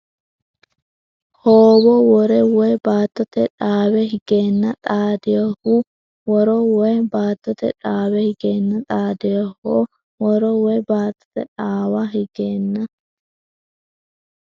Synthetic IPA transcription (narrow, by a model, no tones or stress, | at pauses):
hoːbɔwɔɾɛwɔjbaːt̪ːɔt̪ɛᶑaːwɛɦɪɡ̥eːnːɐt̪ʼaːd̪ɪjɐhu | wɔɾɔwɔjbaːt̪ːɔt̪ɛ̰ᶑaːwɛhɪɡeːnːɐt̪ʼaːd̪ɪjɐhoː | wɔɾɔwɔjbaːt̪ːɔ̥t̪ɛᶑaːwɐɦɪɡ̥eːnːɐ